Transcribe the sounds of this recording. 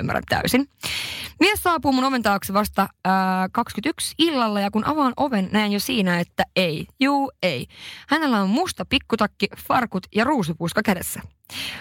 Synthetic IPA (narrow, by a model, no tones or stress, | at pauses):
ymːæ̰ɾæ̰nt̪æ̰ysin | miesɑːpuːmːunoʋent̪ɑːksiʋɑst̪ɑkɑkskyt̪yksilːɑlːɑjɑkunʔɑ̰ʋɑːnʔo̞ʋenːæenjosiːnæet̪ːæejjuːe̞jhæne̞lːæommust̪ɑpikːut̪ɑkːifɑrkut̪jɑruːs̬upuiskɑkædesːæ